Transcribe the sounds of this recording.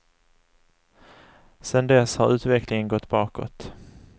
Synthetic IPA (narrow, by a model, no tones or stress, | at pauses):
sɛnd̪ɛshaɾʉ̟ːt̪vɛklɪŋənɡɔt̪ːbɑːkɔ̰t̪